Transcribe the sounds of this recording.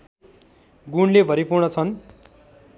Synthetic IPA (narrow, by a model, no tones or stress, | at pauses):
ɡuɳlebʱʌɾipʰuwnʌt͡sʰʌn